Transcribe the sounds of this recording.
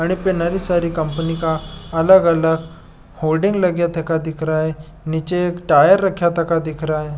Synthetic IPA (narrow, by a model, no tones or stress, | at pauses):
aɽ̃ipenaɾiːsaɾiːkəmpənikaələɡələɡ | holɖiŋɡləɡjat̪ʰekad̪ikʰɾae | nit͡ɕekʈajəɾːəkʰjat̪ʰəkad̪ikʰɾaje